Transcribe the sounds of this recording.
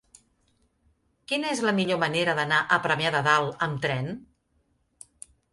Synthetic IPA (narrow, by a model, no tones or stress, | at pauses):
kinəezləmiʎoməneɾəðənaʔəpɾəmiaðəðalˠəmt̪ɾɛn